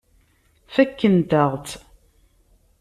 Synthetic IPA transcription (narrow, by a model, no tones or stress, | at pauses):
fækːənt̪əʁˤt̪